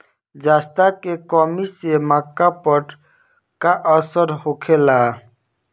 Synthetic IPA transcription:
d͡ʒast̪akekɔmisemakːapəʈ | kaʔəsəɾhokʰela

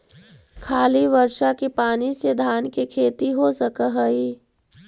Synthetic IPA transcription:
kʰaːliʋəɾʃakipaːnised̪ʱaːnkekʰeːt̪iɦosəkəɦəi

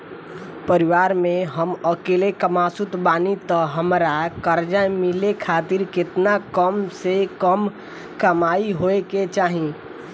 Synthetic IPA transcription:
pəɾiʋaɾmẽɦəməkelekəmasut̪baːnit̪əɦəmɾakəɾd͡ʒãmilekʰat̪iɾkɪt̪nakəmsekəm | kəmaiɦoeket͡ʃaɦĩ

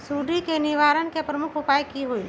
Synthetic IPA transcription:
suːɾikenɪʋaːɾənkepɾəmʊkʰʊpaːikiɦoi

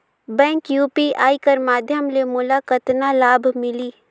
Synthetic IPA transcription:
bɛ̃ːŋkjuːpiʔaːikəɾmaːd̪ʱjəmlemʊlakət̪nalaːbʱmɪliː

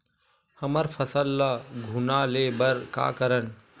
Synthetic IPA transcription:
hɐməɾfʰɐsəlːɐɡʱunaːleːbəɾka̰ːkəɾən

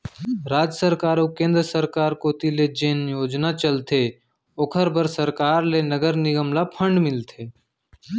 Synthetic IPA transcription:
ɾaːd͡ʒjəsəɾkaːɾokẽːnd̪ɾəsəɾkaːɾkot̪iled͡ʒeːnjoːd͡ʒnat͡ʃəlt̪ʰe | okʰəɾbəɾsəɾkaːɾlenəɡəɾnɪɡəmlapʰə̃ɳɖmɪlt̪ʰeː

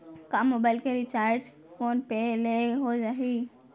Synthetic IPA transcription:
kamːobaːɪlkeɾit͡ʃaːɾd͡ʒ | foːnpeleɦod͡ʒaɦi

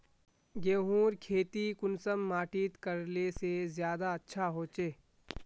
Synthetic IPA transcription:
ɡeːɦũːɾkʰeːt̪ikʊnsəmːaːʈiːt̪kəɾlesezjaːd̪aɐtːʃʰaɦoːt͡ʃeː

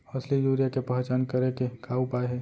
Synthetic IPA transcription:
ɐslijuːɾjakepəɦt͡ʃaːnkəɾekekʰaːupaːeɦɛ

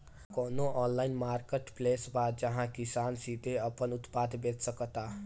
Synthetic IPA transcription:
konoʔɔnlajnmarkeʈplesbad͡zʌɦãkisansid̪ʱeʌpʌnut̪pad̪bed̪sʌkʌt̪a

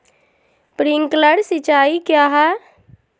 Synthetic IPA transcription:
pɾiŋkləɽsɪt͡ʃaːikjaːɦɛ

